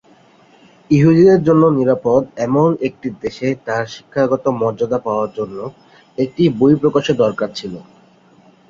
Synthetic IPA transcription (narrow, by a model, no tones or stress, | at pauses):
iɦud̪id̪eɾd͡ʑonːoniɾapod̪ɛmonek̚ʈid̪eʃet̪aɾʃi̥kʰːaɡɔt̪omɔɾd͡ʑad̪apaoaɾd͡ʑonːo | ek̚ʈibojpɾokaʃed̪ɔɾkaɾt͡ɕʰilo